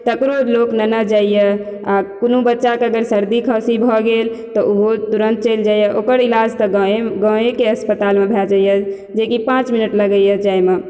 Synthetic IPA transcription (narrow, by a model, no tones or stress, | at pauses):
t̪əkɾoloknənəd͡ʒaijə | akonubətːʃakeəɡəɾsəɾd̪ikʰəsibʱɔɡelt̪ɔʔuɦot̪uɾənt̪̚t͡ʃəɪld͡ʒajəʔokəɾilad͡ʒt̪ɔɡə̃ekeəspət̪almebʱɛd͡ʒaijə | d͡ʒekipãt͡ʃminəʈləɡəjəd͡ʒajme